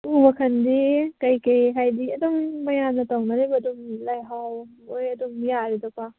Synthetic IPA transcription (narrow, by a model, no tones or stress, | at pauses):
ubɐkʰɐndikajkejɦajdiɐdɔŋmɐjanɐtawnaɾebɐduŋlajɦaw | ojɐduŋijaɾidɔpa